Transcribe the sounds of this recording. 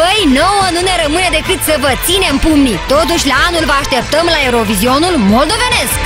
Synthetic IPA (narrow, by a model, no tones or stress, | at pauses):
pəjno̞wənune̞ɾəmɨne̞d̪e̞kɨt̪səvət̪sinempumnit̪o̞t̪uʃʲlaanulvəaʃt̪e̞p̚t̪əmlaeɾo̞vizio̞nulmo̞ld̪o̞ve̞ne̞sk